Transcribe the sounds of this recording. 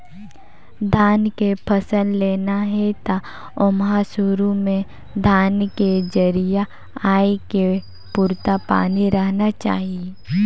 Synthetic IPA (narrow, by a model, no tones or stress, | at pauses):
d̪ʱaːnkepʰɐsənleːnaɦɛt̪a | ʊmɦasʊɾumẽ | d̪ʱaːnked͡ʒəɾija | aːeke | puɾt̪apa̰ːniɾəɦnat͡ʃa̰ːɦie